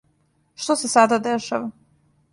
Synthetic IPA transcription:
ʃt̪osesad̪ad̪eʃaʋa

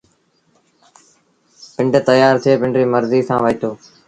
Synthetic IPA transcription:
pɪɳɖt̪əjaːɾt̪ʰɪeːpɪɳɖɾiːməɾziːsã̰ːʋəiːt̪ʰoː

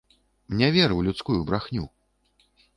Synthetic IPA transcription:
mnʲɛvʲɛɾɨwlʲut̪skujubɾaxnʲu

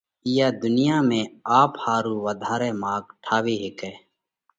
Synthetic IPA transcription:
ijaːd̪ʊnɪjaːmẽːaːphaːɾuːʋəd̪ʱaːɾeːmaːɡʈʰaːʋiːɦekɛː

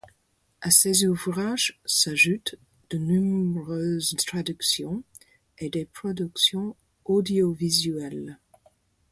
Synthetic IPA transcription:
asezuvʁaʒsaʒut̪ | d̪̥ənɔ̃bʁøːzt̪χad̪yksjɔ̃ | ed̪epχɔd̪yksjɔ̃ | od̪jɔvizyɛl

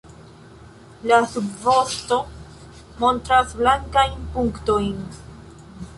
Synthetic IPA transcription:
lasubvo̞sto̞ | mo̞ntɾasblaŋkajnpuŋkto̞jn

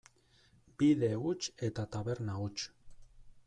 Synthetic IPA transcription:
biðe̞ut͡ʃet̪at̪aβe̞ɾnaut͡ʃ

